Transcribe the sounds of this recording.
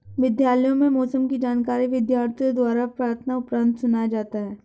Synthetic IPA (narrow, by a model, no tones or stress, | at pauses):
ʋɪd̪jaːləjõmẽmɔːsəmkid͡ʒaːnkaːɾiʋɪd̪jaːɾt̪ʰijõd̪waːɾapɾaːɾt̪ʰənaʊpɾə̃nt̪sʊnad͡ʒaːt̪aɦɛː